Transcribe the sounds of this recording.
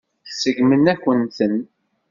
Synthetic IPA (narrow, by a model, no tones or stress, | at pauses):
θsəʝmənækʷːənt̪ən